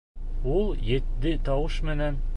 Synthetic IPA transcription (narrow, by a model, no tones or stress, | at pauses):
ulˠjɘ̆t̪ːɘt̪ɑwɤʃmɘ̆næn